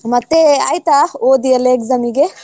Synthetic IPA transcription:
mɐt̪ːea̰jt̪aod̪ijɐlekzɐmiɡe

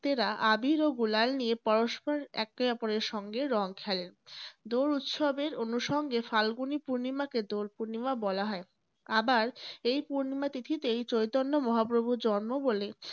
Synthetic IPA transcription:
t̪eɾaʔabiɾoɡulalniepɔɾoʃpɔɾɛ̰k̚ːebɛpoɾeɾʃɔŋɡeɾɔŋkʰɛlend̪oɾut̪ʃɔbeɾonuʃɔŋɡefalɡunipuɾnimaked̪olpuɾnimabɔlaɦɔe | abaɾejpuɾnimat̪it̪ʰit̪eejt͡ɕojt̪onːomɔɦapɾobʱud͡ʑɔnmobole

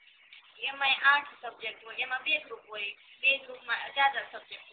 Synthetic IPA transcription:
emãeʔãːʈʰsəb̚d͡ʒek̚ʈɦoːjemãbeɡɾupɦoːjbeɡɾupmãzjad̪asəb̚d͡ʒek̚ʈ

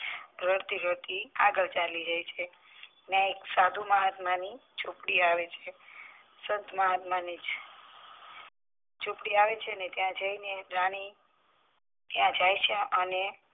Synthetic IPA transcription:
ɾəɽt̪iɾəɾt̪iaɡəɭt͡ʃalid͡ʒajt͡ʃʰe | nãeksad̪ʱumaɦət̪manit͡ʃupɽiaʋet͡ʃʰe | səd̪maɦat̪manid͡ʒ | t͡ʃupɽiaʋet͡ʃʰeənet̪jãd͡ʒəineɾaɽ̃i | t̪jãd͡ʒajt͡ʃʰeəne

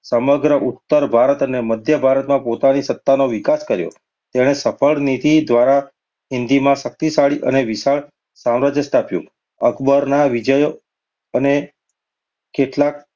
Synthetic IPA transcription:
səməɡɾəʔut̪ːəɾbʱaɾət̪əneməd̪ʱjəbʱaɾət̪mãpot̪anisət̪ːanoʋikaskəɾjo̰ | t̪eɽ̃esəfʰəɭnit̪id̪ʋaɾa | ɦɪnd̪imãʃək̚t̪isaɭiʔə̰neʋiʃaɭ | sãmɾad͡ʒjəsʈapjṵ̃ | əkbəɾnaʋid͡ʒəjo | əne | keʈlak̚

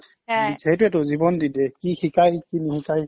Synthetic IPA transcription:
zɛɦɛtʊɛtʊzibɔndidɛkixikajkinixikaj

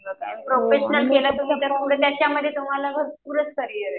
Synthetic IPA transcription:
əpɾofeɕnəlkelat̪usat̪əɾpuɽət̪jat͡ɕaməd̪ʱːjet̪um̤alaɡʱəɾpuɾət͡skəɾijəɾe

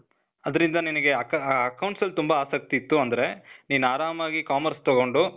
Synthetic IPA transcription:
ɐd̪ɐɾind̪ɐninɐɡe̞ɐkɐɐkɐwɳʈsɐlːut̪umbɐaːsɐk̚t̪iːt̪ːuɐnd̪ɐɾe̞niːnaːɾaːmaːɡikaːmɐɾst̪oɡo̞ɳɖu

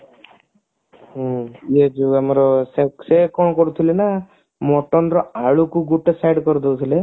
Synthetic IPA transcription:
ed͡ʒuamɔɾɔseksekɔɳkɔɾut̪ʰilena | mɔʈɔnɾɔaɭukuɡuʈːesajɖkɔɾud̪ɔwt̪ʰile

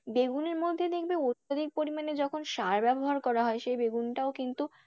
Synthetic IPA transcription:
beɡuneɾmod̪ʱːed̪ek̚ʰbeot̪od̪ik̚poɾimaned͡ʑɔkʰonʃaɾbɛboɦaɾkɔɾaɦɔeʃejbeɡunʈaokint̪u

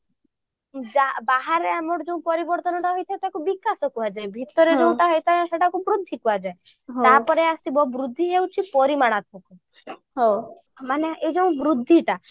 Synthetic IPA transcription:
d͡ʒabaɦaɾeamɔɽɔd͡ʒeũpɔɾibɔɾt̪ɔnɔʈaɦɔjt̪ʰat̪akubikasɔkuad͡ʒajbʱit̪ɔɾed͡ʒeũʈaɦɔjt̪ajãseʈʰakubɾud̪ʱːikuad͡ʒae | ɦ̪apɔɾeasibɔbɾud̪ʱːiɦewt͡ʃʰipɔɾimaɽ̃at̪ʰɔku | ɦo | maneed͡ʒeũbɾud̪ʱːiʈa

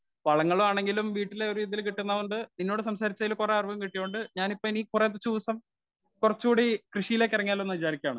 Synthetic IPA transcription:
ʋɐɭɐŋːɐɭoaːɳe̞ŋɡilumʋiːʈːileoɾuʋiːd̪ijilkiʈːunːɐʋuɳɖɨninːoːɽɨsɐmsaːɾit͡ɕːɐjilkureɐrʋɐʋɐmkiʈːijːoɳɖɨɲaːnipːoniːkuret̪ːɐt͡ɕuːsɐm | kurɐt͡ɕːuːɽikrɨʂijile̞ːkʲːɐrɐŋːaːle̞nːɨʋit͡ɕaːɾikʲːaːɳɨ

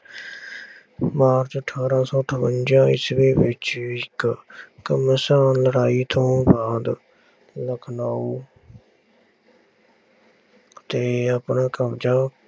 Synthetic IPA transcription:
maːɾt͡ʃəʈʰaːɾãːsõːʈ̪ʰəbənd͡ʒãːɪ̰sʋeːʋɪt͡ʃɪkkəmsaːnləɾaːiːt̪ʰõːbaːd̪ | ləkʰnaːuː | t̪eːapnaːkəmd͡ʒaː

